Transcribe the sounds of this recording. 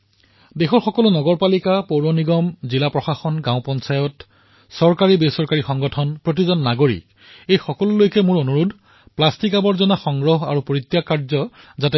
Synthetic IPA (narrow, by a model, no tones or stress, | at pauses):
dexɔɹxɔkɔlʊnɔɡɔɹpalikapowɹɔniɡɔmzilapɹɔxaxɔnɡãʊpɔnsajɔt | sɔɹkaɹibesɔɹkaɹixɔŋɡɔtʰɔnpɹot̬izɔnːaɡoɹḭk | ejxɔkɔlʊlojkɛmʊɹonuɹudʱ | plastikabɔɹzɔnaxɔŋɡɹɔɦa̰ɹupoɹit̪ːjakaɹzɔzatɛ